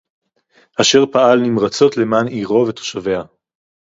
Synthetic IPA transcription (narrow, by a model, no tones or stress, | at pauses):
ʔaʃe̞ʁpaalnimʁat͡so̞t̪le̞maniʁo̞vet̪o̥ʃave̞a